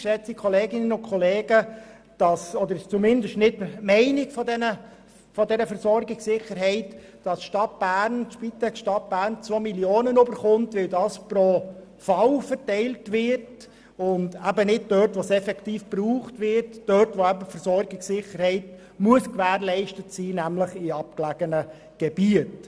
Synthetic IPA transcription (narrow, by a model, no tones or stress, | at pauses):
ʃɛt͡sikʰχɔleːɡɪnənʊnkʰχɔleːɡə | d̥ɑsɔd̪əɾt͡sumɪndəʃtnɪtmɛɪnɪɡfɔdɛnə | fɔdɛɾəfəɾsɔɾɡɪksɪχəɾɦɛɪtd̥ɑsʃtɑt̚b̥æːɾnʃpitɛkʃtɑt̚b̥æːɾnt͡sʋomiljoːnənøbəɾχʊntʋɪldɑːspɾo | fɑwfəɾtɛɪltʋɪɾt | ʊndæbənɪd̚dœtʋosɛfɛktiːfb̥ruːχtʋɪɾtd̥œtʋoæbəfəɾsɔɾɡɪksɪχəɾhɛɪt | muəskʋæːɾlɛɪʃtətsiːnæmləχiɑp̚klæɡ̥ənə | ɡ̥eb̥iət